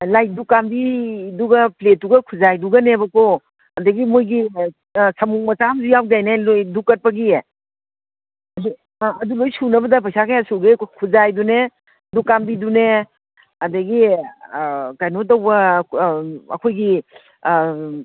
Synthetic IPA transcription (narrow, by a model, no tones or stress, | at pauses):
laj̚dukambiduɡɐplet̚ːuɡɐkʰuzajduɡɐnebɐko | ɐdɐɡimojɡi | sʰɐmuk̚mɐt͡ʃamzujaw̚dajnalojdukːɐt̚pɐɡie | ɐdu | ɐdulojsunɐbɐdɐpʰajsakʰajasuɡekʰuzajdune | dukambidune | ɐdɐɡi | kajnotdɐwbɐ | ɐ̰kʰojɡi